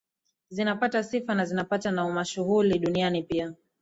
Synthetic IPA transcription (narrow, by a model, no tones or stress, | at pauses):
zinapatasifanazinapatanaumaʃuhuliɗunianipia